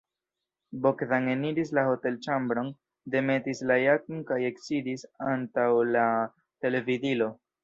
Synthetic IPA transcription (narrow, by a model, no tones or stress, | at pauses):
bo̞kðaŋeniɾis̬laho̞te̞lt͡ʃambɾo̞n | de̞me̞tislajakonkaje̞ksidisantawla | te̞le̞vidilo̞